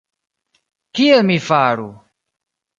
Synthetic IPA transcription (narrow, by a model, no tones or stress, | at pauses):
kiəmifaɾu